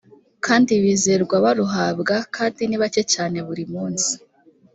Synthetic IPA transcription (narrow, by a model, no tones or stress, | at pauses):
kaːndiβiːze̞ɾɡwaβaɾuɦabɡakʰaːndiniβace̞caːne̞βuɾimuːnzi̥